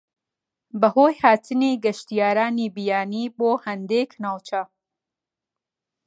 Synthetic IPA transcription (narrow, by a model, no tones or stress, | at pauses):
bɐhoːjhaːt̪ʰɨniːɡɐʃt̪ijaːɾaːniːbijaːniːboːhɐnd̪eːknaːwt͡ʃʰɐ